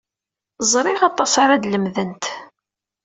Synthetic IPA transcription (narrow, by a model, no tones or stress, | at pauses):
zˤɾˤɪʁɑt̪ˤːɑsaɾad̪ləmðənt̪